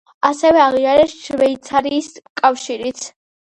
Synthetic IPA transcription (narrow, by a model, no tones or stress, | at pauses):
asɛvɛaʁiaɾɛsʃvɛit̪sʰaɾiːskʼafʃiɾit̪sʰ